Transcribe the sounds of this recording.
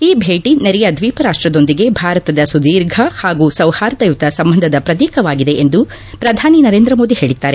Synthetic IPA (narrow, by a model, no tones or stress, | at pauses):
iːbʱeːʈineɾɛjɐd̪ʋiːpɐɾaːʂʈɾɐd̪o̞nd̪iɡe̞bʱaːɾɐt̪ɐd̪ɐsud̪iːɾɡʱɐhaːɡuːsɐwhaːɾt̪ɐjut̪ɐsɐmbɐnd̪ʱɐd̪ɐpɾɐt̪̬iːkɐʋaːɡid̪e̞ʔend̪u | pɾɐd̪ʱaːninɐɾeːnd̪ɾɐmo̞ːd̪ihe̞ːɭid̪ːaːɾe